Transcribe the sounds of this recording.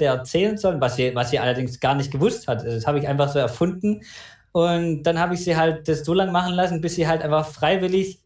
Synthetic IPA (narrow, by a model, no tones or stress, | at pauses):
əɛɐt͡sɛːlənzɔlənvasz̥iːvasz̥iːɐʔalɐdɪŋsɡ̥aːɐnɪçt̚ɡ̥əvʊsthatːashaːbəɪçʔaɪnfaχz̥oːɛɐfʊndn̩ | ʔʊnt̚d̥anhaːbəɪçz̥iːɦalt̚d̥asz̥oːlaŋmaχn̩lasn̩bɪsz̥iːɦaltʔaɪnfaχfʁ̥aɪvɪlɪç